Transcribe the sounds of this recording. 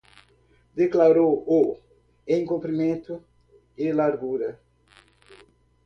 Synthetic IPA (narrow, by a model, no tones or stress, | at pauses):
d̪eklaɾowo | ẽj̃ŋkõmpɾimẽnt̪u | ɪlaɾɡuɾɐ